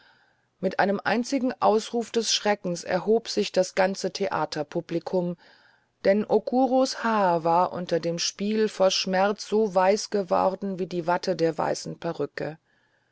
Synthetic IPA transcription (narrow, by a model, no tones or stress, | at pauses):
mɪtʔaɪnəmʔa̰ɪnt͡sɪɡŋ̩ʔaʊsʁuːfd̥ɛsʃʁ̥ɛkŋ̩sɛ̰ɐɦoːpz̥ɪçd̥asɡ̥ant͡sətʰeʔa̰ːtʰɐpʰuplikʰʊm | d̥ɛnʔokʰuːʁoshaːɐvaːɐʔʊ̰ntɐdeːmʃpiːlfoʃmɛʁt͡sz̥oːvaɪsɡ̥əvɔ̰ʁdn̩viːdiːvatʰədeːɐva̰ɪsn̩pʰɛʁʏkə̰